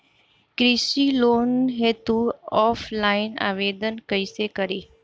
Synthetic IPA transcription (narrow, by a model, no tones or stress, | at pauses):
kɾisilonɦet̪uɔfʰlaɪna̰ʋed̪ənkəjsekəɾi